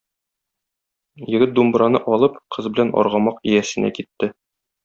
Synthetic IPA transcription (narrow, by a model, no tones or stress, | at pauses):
jɘ̆ɡɘt̪̚d̪umbɾɑnɤʔɒlˠɤpqʰɤzbɘ̆lænɒ̰ɾʁɑmɑqijæsɘ̆næ̰kit̪ːɘ